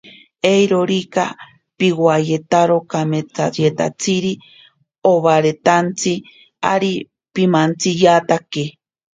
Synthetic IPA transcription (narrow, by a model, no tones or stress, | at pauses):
ejɾoɾika | piwajet̪aɾokamet͡sajet̪a̰t͡siɾi | oβaɾet̪ant͡si | aɾi | pimant͡sijat̪ake